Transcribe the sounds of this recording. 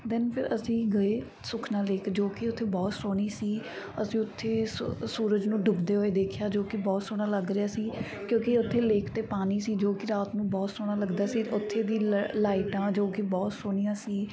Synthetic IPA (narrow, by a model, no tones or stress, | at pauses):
d̪ɪnpʰɪɾəsĩːɡəeː | sʊkʰnaːleːkd͡ʒoːkɪʊt̪ʰːeːbɔːt̪soːɽ̃iːsiː | əsĩːʊt̪ʰːeːsuːɾəd͡ʒnũːɖʊbd̪eːɦoːeːd̪eːkʰɪjaːd͡ʒoːkɪbɔːt̪soːɽ̃aːləɡɾɪjaːsiː | kjõːkɪʊt̪ʰːeːleːkʰt̪eːpaːniːsiːd͡ʒoːkɪɾaːt̪nũːbɔːt̪soːɽaːləɡd̪aːsiːʊt̪ʰːeːd̪iːlaːɪʈãːd͡ʒoːkibɔːt̪soːɽ̃iːjãːsiː